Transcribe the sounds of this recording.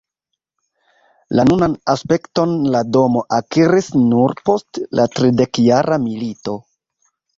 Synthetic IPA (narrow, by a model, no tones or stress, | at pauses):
lanunanaspe̞kto̞nlado̞mo̞ʔakiɾisnuɾpo̞stlʔatɾide̞kjaɾʔamilito̞